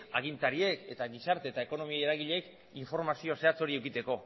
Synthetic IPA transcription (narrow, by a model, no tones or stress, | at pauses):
aɣint̪aɾie̞ke̞t̪aɣisaɾt̪eːt̪ae̞ko̞no̞miajeɾaɣiʎe̞k | iɱfo̞ɾmasio̞se̞at͡so̞ɾie̞wkit̪e̞ko̞